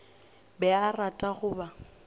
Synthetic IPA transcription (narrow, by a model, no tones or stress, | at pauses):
bɛaratʼaɣʊba